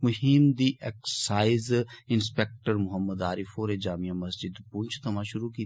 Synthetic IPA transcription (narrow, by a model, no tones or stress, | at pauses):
mʊɦimd̪iːʔeksaːɪzɪnspeːk̚ʈəɾmʊɦəmːəd̪aːɾifoːɾed͡ʒaːmijamɐsd͡ʒɪd̪pũɲt͡ʃʰt̪ʰɐmãːʃʊɾukiː